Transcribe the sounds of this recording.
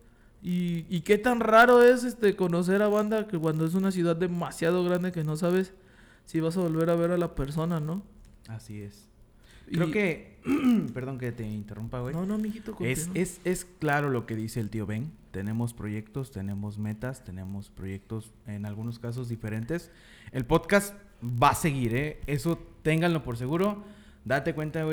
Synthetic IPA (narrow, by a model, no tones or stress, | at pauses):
iːke̞t̪anraɾo̞e̞se̞st̪e̞ko̞no̞s̬e̞ɾaβand̪akekwand̪oe̞s̬unas̬juðaðːe̞masjað̞o̞ɣɾand̪e̞ke̞no̞s̬aβ̞e̞sː | iβas̬aβo̞lβe̞ɾaβ̞e̞ɾalapeɾso̞nano̞ | asie̞s | kɾeoke̞ | pe̞ɾðo̞ŋk̬et̪e̞int̪e̞rumpaɣwejnonomiɣit̪okoeese̞sklaɾo̞lo̞ke̞ðise̞ːlt̪io̞βeŋt̪e̞nẽ̞mo̞spɾo̞ʝe̞kt̪o̞st̪e̞ne̞mo̞zme̞t̪ast̪e̞ne̞mo̞spɾo̞ʝe̞k̚t̪o̞s | e̞nalɣuno̞skas̬o̞zðife̞ɾe̞nt̪e̞s | e̞lpo̞ðkast̪ | base̞ɣiɾee̞so̞t̪e̞ŋɡanlo̞po̞ɾs̬e̞ɣuɾo̞ | d̪at̪e̞kwe̞nt̪ae